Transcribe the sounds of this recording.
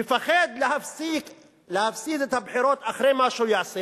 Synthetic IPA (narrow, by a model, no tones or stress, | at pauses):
ɪfaxed̪lɪhafsik | lɪhafsiːzat̪habħiːɾoːt̪ʔaxɾeːmaʃujaʕsi